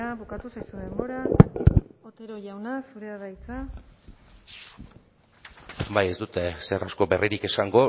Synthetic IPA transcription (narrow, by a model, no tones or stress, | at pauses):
aβukat̪usajsuðe̞mbo̞ɾa | ot̪e̞ɾoʝawnasuɾeaðajt͡sa | baje̞zd̪ut̪e̞sera̰sko̞be̞riɾike̞saŋɡo̞